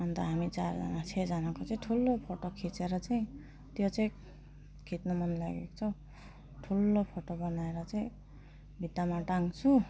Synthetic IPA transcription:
ʌnt̪ʌɦamit͡sard͡za̰nat͡sʰed͡zanakot͡saĩʈʰulːopʰoʈokʰːit͡seɾʌt͡saĩ | t̪jot͡saĩ | kʰit̪nomʌnla̰ɡḛko̥t͡sʰʌw̃ | ʈʰulːopʰoʈobʌnaeɾʌt͡saĩ | bʱit̪amaʈaŋt͡sʰũ

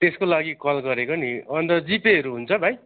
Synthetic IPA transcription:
t̪eskolaɡikʌlɡʌɾekoniʌnd̪ʌd͡zipeɦʌɾuɦunt͡sʰʌbʱaj

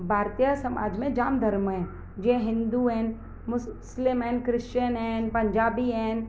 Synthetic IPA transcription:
bʱaːɾt̪ijəsɐma̰ːd͡ʒmẽd͡ʒaːmd̪ʱəɾmɦɛ̃ː | d͡ʒɪɦɛ̃ɦɪ̃nd̪uɦɛ̃ːn | mʊslɪmɛ̃ːnkɾɪʃt͡ʃənɦɛ̃ːnpɐ̃ɲd͡ʒaːbiɦɛ̃ːn

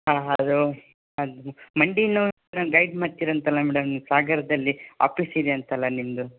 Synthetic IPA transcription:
ɦaːɦɐd̪u | ɐd̪umɐɳɖino | nɐnɡɐjɖmaːɾt̪iɾɐnt̪ɐlːɐmɛːɽɐmsaːɡɐɾɐd̪ɐlːia̰ːpisid̪eɐnt̪ɐlːɐnimd̪u

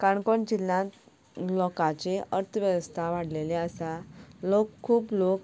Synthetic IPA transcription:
kaɳkoɳd͡ʑilãt̪ | lɔkat͡ɕeʔəɾt̪ʰəʋjəʋəst̪ʰaʋaɽ̤leleasalokʰːuːplok

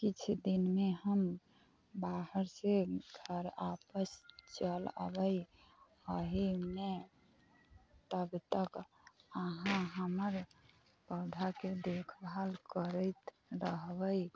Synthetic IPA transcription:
kit͡ʃʰd̪inmeɦəm | baɦəɾseɡʱəɾapəst͡ʃəla̰bəj | əɦime | t̪əbt̪ək | əɦãɦəməɾ | pəd̪ʱaked̪ekʰbʱalkəɾəɪt̪ | ɾəɦbəj

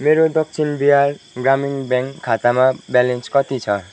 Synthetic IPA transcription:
meɾod̪ʌk̚t͡sʰinbiarɡramiŋbaŋkʰːat̪amabɛlenskʌt̪it͡sʰʌ

